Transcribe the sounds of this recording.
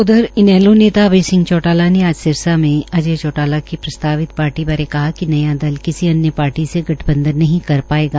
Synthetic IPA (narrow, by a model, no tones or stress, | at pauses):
ʊd̪ʱəɾɪnɛːloneːt̪aʋeːsɪ̃ŋɡt͡ʃɔːʈaːlaneaːd͡ʒsɪɾsamẽɐd͡ʒet͡ʃɔːʈaːlakipɾɐst̪aːʋɪt̪̚paːɾʈibaːɾekɐɦakinɐjad̪ɐlkɪsiɐnjəpaːɾʈiseɡʱɐʈʰbə̃nd̪əɾnɐɦĩkɐɾpaːeːɡaː